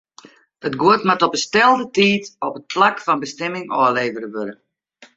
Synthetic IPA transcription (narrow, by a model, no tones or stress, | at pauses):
dətɡuətmatɔpəstɛlˠdətiːtɔpət̚plakfɔnbəstɛmɪŋɔːleːvəɾəʋøɾə